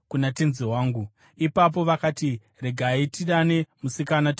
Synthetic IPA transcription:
kunate̞nzeɦwaːŋɡu | ipap̬o̞ʋakati | re̞ɡʱaitiɗane̞musikanat

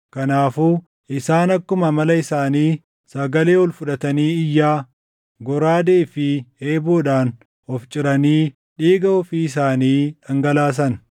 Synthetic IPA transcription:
kɐnaːfuː | ʔɪsaːnɐkːʊmɐmɐlɐɪsaːniː | sɐɡɐle̞ːwɔlfʊᶑɐt̪ɐniːɪjːaː | ɡɔɾaːd̪eːfɪeːboːᶑaːn | ɔft͡ʃʼɪɾɐniː | ᶑiːɡɐɔfiːɪsaːniːᶑɐŋɡɐlaːs̬ɐn

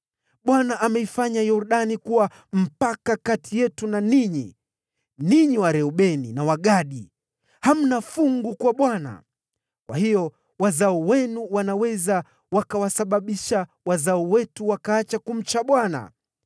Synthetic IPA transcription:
ɓwanaʔːmɛifaɲajɔɾɗanikuwa | m̩pakakatʰijɛtunaniɲi | niɲiwaɾɛɔɓɛninawaɠaɗi | ham̩nafuŋɡukwaɓwana̰ | kwahijɔ | wazaɔwɛnuwanawɛza | wakawasaɓaɓiʃa | wazaɔwɛtuwakaat͡ʃakum̩t͡ʃaɓwana̰

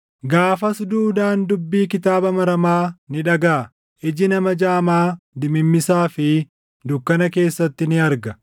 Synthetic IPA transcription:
ɡaːfɐsd̪uːd̪aːnd̪ʊbːiːkɪt̪aːbɐmɐɾɐmaːnɪᶑɐɡaː | ʔɪd͡ʒɪnɐmɐd͡ʒaːmaːd̪ɪmɪmːɪsaːfɪ | d̪ʊkːɐnɐke̞ːsːɐt̪ːɪnɪɐɾɡɐ

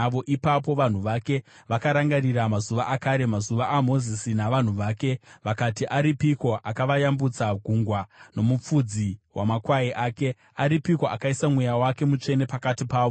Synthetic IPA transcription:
ʋo̞ʔipap̬o̞ʋan̤uʋake̞ | ʋakaɾaŋɡaɾiɾamazuʋaʔakaɾe̞mazuʋaʔamo̞zisinaʋan̤uʋaːke̞ʋakatiʔaɾipiko̞ʔakaʋajambut͡saɡʱuŋɡwano̞mup͡fud͡ziwʔa̰makwaiʔaːke̞ | aɾipikoa̰kaisamwe̞jawake̞mut͡ʂe̞ne̞pakatipaːʋo

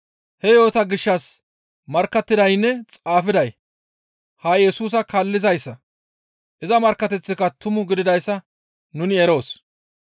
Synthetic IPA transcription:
hɛjo̞ːt̪ɐɡɪʃːɐs | mɐɾkːɐt̪ːɪd̪ɐjnːɛt͡sʼaːfɪd̪ɐj | hɐjɛsuːs̬ɐkɐlːɪzɐjsːɐ | ʔɪzɐmɐɾkːɐt̪ɛt͡sːɪkɐt̪ʊmʊɡɪd̪ɪd̪ɐjsːɐ | nʊnɪɛɾo̞ːs

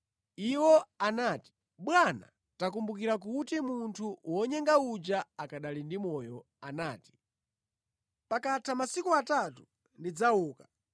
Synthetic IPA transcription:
iwɔanati̥ | ɓwana̰ | takumbukiɾak̬utimuntʰuwɔɲɛŋɡaud͡ʒaakaɗalindimɔjɔ | anaːti̥ | pakatʰamasikuatatu | ndid͡zauːkḁ

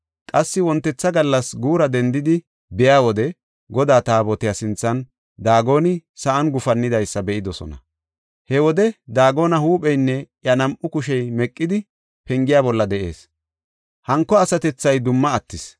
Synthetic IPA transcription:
kʼɐsːɪwɔnt̪ːɛt͡sːɐɡɐlːɐsɡuːɾɐd̪ɛnd̪ɪd̪ɪ | bɛjaːwɔd̪ɛ | ɡɔd̪aːt̪aːbɔt̪ɪjasɪnt͡sːɐn | d̪aːɡo̞ːnɪsɐʔɐnɡʊfɐnːɪd̪ɐjsːɐbɛʔɪd̪ɔsɔ̰nɐ̰ | hɛwɔd̪ɛd̪aːɡo̞ːnɐhuːpʼɛjnːɛʔjɐnɐmʔʊkʊʃɛjmɛkʼːɪd̪ɪ | pɛŋɡɪjaːbɔlːɐd̪ɛʔe̞̰ːs | hɐŋkːɔɐsɐt̪ɛt͡sːɐjd̪ʊmːɐːt̪ːɪs

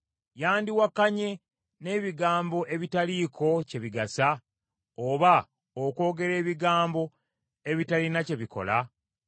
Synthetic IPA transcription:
jaːndiwakːaɲe̞ | ne̞ːβiɡaːmbo̞ʔe̞βitaliːkʰo̞ce̞βiɡasa | oβa | oko̞ːɡe̞ɾe̞ːβiɡaːmbo̞ | e̞βitalinace̞βikʰo̞̰la

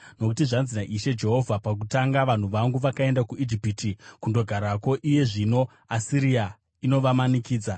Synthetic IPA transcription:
no̞kutiʐanzinaʔiʃe̞d͡ʒe̞ɦo̞vʱapak̬utaŋɡaʋan̤uʋaŋɡuʋakae̞ndakuid͡ʒipitikundo̞ɡʱaɾako̞ʔije̞ʐino̞ | asiɾija | ino̞ʋamanikiːd͡za

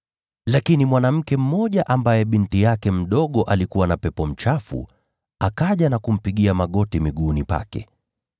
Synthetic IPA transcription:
lakinimwanam̩kɛm̩mɔʄaʔambajɛɓintijakɛm̩ɗɔɠɔʔalikuwanapɛpɔm̩t͡ʃafṵ | akaʄanakum̩piɠiamaɠɔtimiɠunipa̰kɛ̰

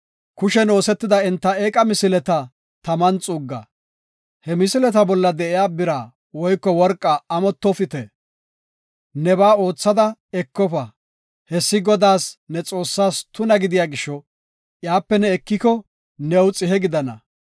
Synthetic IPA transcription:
kʊʃɛno̞ːsɛt̪ːɪd̪ɐɛnt̪ːɐeːkʼɐmɪsɪlɛt̪ɐ | t̪ɐmɐnt͡sʼuɡːɐ̰ | hɛmɪsɪlɛt̪ɐbɔlːɐd̪ɛʔɪjaːbɪɾaː | wɔjkːɔwɔɾkʼːɐːmɔt̪ːɔfɪt̪ɛ | nɛbaːo̞ːt͡sːɐd̪ɐɛkːɔpɐ | hɛsːɪɡɔd̪aːsnɛt͡sʼo̞ːsːaːst̪ʊnɐɡɪd̪ɪjaːɡɪʃɔ | ʔjaːpːɛnɛːkːɪkɔ | nɛwʊt͡sʼɪɦɛɡɪd̪ɐnɐ̰

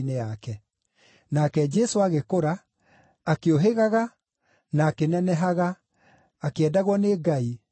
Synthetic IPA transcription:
neakɛ | nakɛd͡ʒɛsoaɣekoɾaː | keoɦeɣaɣa | naːkenɛnɛɦaɣaː | keɛdaɣwɔneɡai

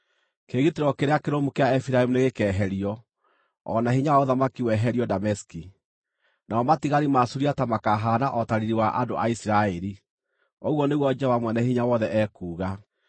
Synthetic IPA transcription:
keɣiteɾɔkeɾeakeɾomukeaɛfiɾaemuneɣekɛːɦɛɾiɔ | ɔ̰nahiɲaoðamakiwɛɦɛɾiɔdamɛski | naɔmatiɣaɾimasuɾiatamakaɦanaʔɔtaɾiɾiwaʔandoa̰isiɾaɛɾi | ɔɣwɔneɣwɔd͡ʒɛwamwɛnɛhiɲawɔðɛʔɛkuːɣa

